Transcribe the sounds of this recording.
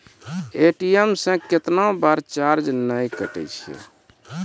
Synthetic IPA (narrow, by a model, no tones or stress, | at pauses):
eʈiemsə̃ket̪naõbaɾt͡ʃaɾd͡ʒnəjkəʈɛ̰jt͡ʃʰɛ̰